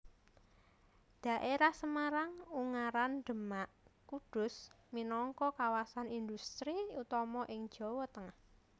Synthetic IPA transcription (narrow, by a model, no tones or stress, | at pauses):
d̪̥ä̤ʔeɾahsəmaɾaŋuŋaɾand̪̥ə̤maʔkud̥ʊ̤s | minɔŋkɔkawasanind̪ust̪ɾiut̪ɔmɔʔɪŋ̥ʒ̥ɔ̤wɔt̪əŋah